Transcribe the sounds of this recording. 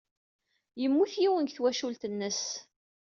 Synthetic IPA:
jəmːuθjiwənkθwæʃult̪ənːəs

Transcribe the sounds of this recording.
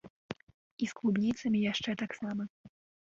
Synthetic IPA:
isklˠubnʲit̪sɐmʲijaʂt͡ʂɛt̪aksamɐ

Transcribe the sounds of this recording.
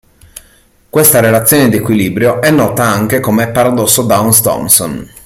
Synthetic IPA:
kwest̪aɾelat̪sːjoːned̪ekwiliːbɾjoʔɛnːɔːt̪aaŋk̟ekomeɛpːaɾad̪ɔsːod̪aunst̪ɔ̰mson

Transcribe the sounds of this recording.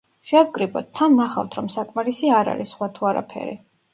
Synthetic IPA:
ʃɛvɡʼɾibʼɔt̪̚t̪ʰːannaχa̰ft̪ʰɾɔmsakʼmaɾisiaɾa̰ɾisːχwat̪ʰuaɾa̰pʰɛ̰ɾḭ

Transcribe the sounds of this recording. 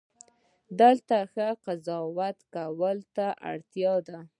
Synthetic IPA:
d̪əlt̪axəqazɑwat̪kawəlt̪aʔa̰ɽt̪jɑd̪a

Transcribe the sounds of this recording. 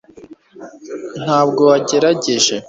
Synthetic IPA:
n̥haːbɡo̞waɟe̞ɾaɟeʒe̞

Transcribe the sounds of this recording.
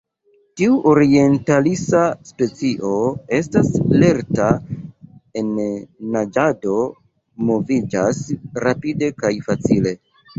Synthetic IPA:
tiuʔo̞ɾie̞ntalisaspe̞t͡siʔo̞e̞stasle̞ɾta | e̞nːad͡ʒado̞ | mo̞vid͡ʒasɾapide̞kajfat͡sile̞

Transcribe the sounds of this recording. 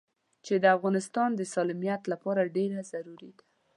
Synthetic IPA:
t͡ʃed̪əafɣɑnɪst̪ɑnd̪əsɑlimijat̪lapɑɾaɖeɾazaɾuɾid̪ḁ

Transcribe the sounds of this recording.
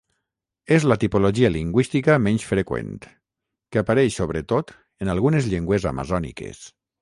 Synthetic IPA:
ezlat̪ipoloʒialiŋɡwist̪ikamɛnsfɾekwḛnt̪ | kəapaɾɛʃsoβɾət̪ot̪ | ənalˠɣunezʎeŋɡweza̰ma̰zɔnḭkḛs

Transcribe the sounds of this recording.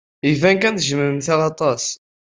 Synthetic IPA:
ivæŋkænθʒəməɾəmθæʁɑt̪ˤɑs

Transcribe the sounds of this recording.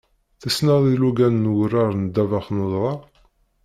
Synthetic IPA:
θəsnəðˤiluɡænnwərːaɾˤnəd̪ːævaχnoðˤɾˤɑ

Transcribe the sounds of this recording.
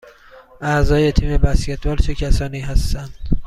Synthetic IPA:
ʔæzɒːje̞t̪ʰiːme̞bæscet̪ʰvæːɾt͡ʃʰecʰæsɒːniːɦæst̪ænd̪̥

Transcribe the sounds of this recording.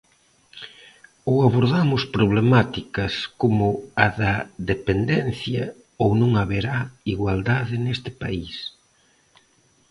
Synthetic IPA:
oaβoɾðamʊspɾoβ̞lemat̪ikɐskomʊaðɐðepend̪ɛn̟θjɐ | ownõŋaβeɾaiɣwald̪aðɪnest̪ɪpa̰is

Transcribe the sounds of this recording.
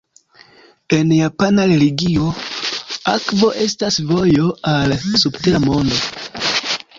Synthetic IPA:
e̞njapanaɾe̞liɡio̞ | akvo̞ʔe̞stasvo̞jo̞alsubteɾamo̞ndo̞

